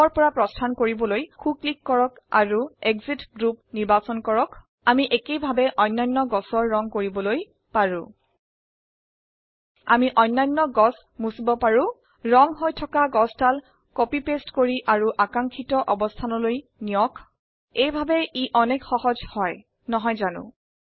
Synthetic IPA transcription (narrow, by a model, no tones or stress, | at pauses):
ɔɹpɔɹapɹɔstʰankoɹibɔlojkʰuklikːɔɹɔk | a̰ɹueɡzitɡɹup̚niɹbasɔnkɔɹɔk | amiʔekejbʱabɛʔɔjnːɔjnːɔɡɔsɔɹːɔŋkoɹibɔloj | paɹũ | a̰miʔɔjnːajnːɔɡɔs | musibɔpaɹʊ̃ | ɹɔŋɦojtʰɔkaɡɔstʰal | kɔpipestkoɹiʔaɹuʔakaŋkʰitɔʔɔbɔstʰanɔloj | nijɔk | ejbʱabɛiʔɔnɛkxɔhɔzhɔj | nɔɦɔjzanʊ̰̃